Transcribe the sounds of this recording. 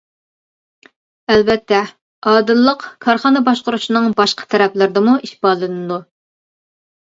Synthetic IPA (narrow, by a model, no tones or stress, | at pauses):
ɛlbɛt̪ʰːɛ | ɑːd̪ɨlˠːəqkʰɑɾχɑːnɨbɑʃqʊɾuʃinɨŋbɑʃqʰə̥t̪ʰɛɾɛplɪɾd̪ɨmuiʃbɑlˠɨnɨd̪u